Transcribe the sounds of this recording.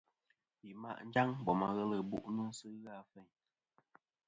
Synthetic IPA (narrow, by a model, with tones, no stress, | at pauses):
i˨ma̰˦˨ʔn̩˦d͡ʒa˦ŋbɔ˨ma˨ɣə˦lə˦˨bṵ˦˨ʔnɨ˦sɨ˦ɣa˦fɛ˦˨ɲ